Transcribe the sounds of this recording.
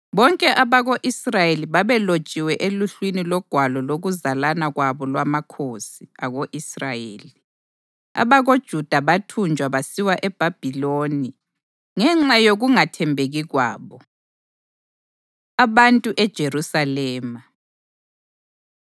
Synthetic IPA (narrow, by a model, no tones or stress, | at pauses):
βɔŋkʼɛʔaβaɣoʔisrajeliβaβɛlot͡ʃʼiwɛʔeluɬwinilɔɡ̥ʱwalɔloɣuzalanaɣwaβɔlwamakʰosiaɣoʔisrajeːli | a̰βaɣod̥ʒ̥ʱud̥ʱaβatʰund͡ʒʱwaβasiwaʔɛb̥ʱab̥ʱiloːni | ŋɛŋ͡ǁajoɣuŋatʰɛmbʱeɣiɣwa̰ːβɔ | aβantʼuʔɛd̥ʒ̥ʱerusalɛːma